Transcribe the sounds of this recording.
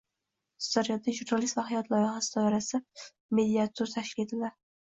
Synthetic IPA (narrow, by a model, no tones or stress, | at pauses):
sd̪̥aɾjɒd̪aʒuɾnalist̪vahajɒt̪ʰlˠɒjeχasɪd̪ɒɪɾasɪ | me̞d̪iat̪ʰːoɾt̪ʰaʃkʲɪlet̪ʰɪld̪aɾ